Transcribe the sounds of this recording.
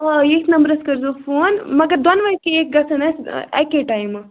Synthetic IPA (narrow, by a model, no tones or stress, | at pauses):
esʰnɐmbɾɐskɐɾzofoːnmɐɡɐɾd̪ɐnʋɐkeeːk̚ɡɐsʰɐnɐsɛ̰keʈajm